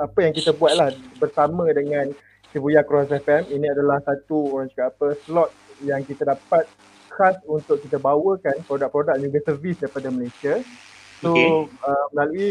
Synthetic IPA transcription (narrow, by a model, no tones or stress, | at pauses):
apəjaŋkit̪əbuat̪̚lahbərsamə̃dəŋãn | sibujakɾɔs̬ɛfɛminĩadalahsat̪uoɾaŋd͡ʒukaːpəslɔt̪̚jaŋkit̪adapat̪̚ | kasunt̪ʊʔkːit̪əbawəkanpɾodak̚pɾodak̚d͡ʒuɡəsərvisdapadaməlasia | soəmlalui